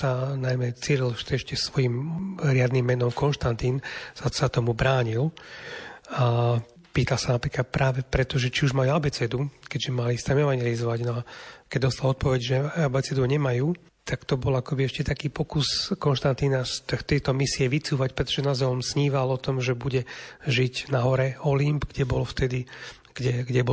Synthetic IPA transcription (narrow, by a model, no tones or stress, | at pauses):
sanajmɛt͡siːɾilʃt̪ɛʃcɛsʋɔjimɾɪad̪nimːɛnɔmkɔnʃt̪ant̪iːnsasat̪ɔmubɾaːɲil | a | piːt̪alsanapɾiːkat̪̚pɾʔaːʋɛpɾɛt̪ɔʒɛt͡ʃiuʒmajuabɛt͡sɛd̪ukɛɟʒɛmalist̪ɛmɛʋaɲjɛlizɔʋaɟnɔakɛɟd̪ɔst̪alɔt̪̚pɔʋɛɟʒɛɛbɛt͡sɛd̪uɲɛmajuː | t̪akt̪ɔbɔlakɔbiɛʃcɛt̪akiːpɔkuskɔnʃt̪ant̪inast̪t̪ɛt̪ɔmisiɛʋit͡suːʋacpɾɛt̪ɔ̥ʒɛnazɛɔmsɲiːʋalɔt̪ɔmʒɛbuɟɛʒiɟnaɦɔɾɛɔlimbɡɟɛbɔlft̪ɛd̪i | ɡ̥ɟɛɡɟɛbɔ